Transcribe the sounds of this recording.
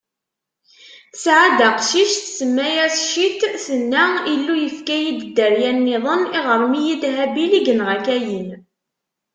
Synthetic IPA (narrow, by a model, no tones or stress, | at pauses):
θsʕad̪aqʃiʃθsəmːæjæsʃit̪θənːailːujəfkæjid̪d̪ːəɾjænːɪðˤəniʁəɾˤmijid̪ɦæbiliɡənʁækæjən